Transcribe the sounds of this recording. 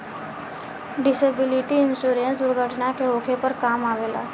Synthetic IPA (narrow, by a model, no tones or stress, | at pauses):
ɖɪsebɪliʈiɪnsuɾẽnsd̪ʊɾɡʱəʈnakeɦokʰepəɾkaːmaʋeːla̰ː